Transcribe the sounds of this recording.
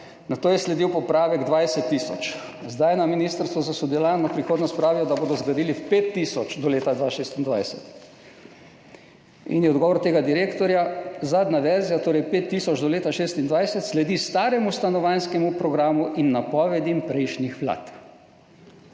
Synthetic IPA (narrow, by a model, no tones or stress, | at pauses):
nat̪oːjɛslɛd̪iwpɔpɾaːʋɛɡd̪ʋajsɛt̪ːiːsɔt͡ʃ | zd̪ajnaminist̪əɾst̪ʋɔzasud̪ɛlaːnɔpɾixoːd̪nɔst̪pɾaːʋijɔd̪aboːd̪ɔzɡɾad̪iːlipeːt̪ːisɔt͡ʃd̪ɔleːt̪ad̪ʋaʃeːst̪ind̪ʋajsɛt̪ | ḭnjɛɔd̪ɡɔːʋɔɾt̪eːɡad̪iɾeːkt̪ɔɾjazaːd̪naʋɛɾzijat̪oːɾɛjpeːt̪ːisɔd͡ʒd̪ɔleːt̪aʃeːst̪ind̪ʋajsɛt̪slɛd̪ist̪aːɾɛmust̪anɔʋanskɛmupɾɔɡɾaːmuʔinːapɔːʋɛd̪impɾɛjʃnixʋla̰t̪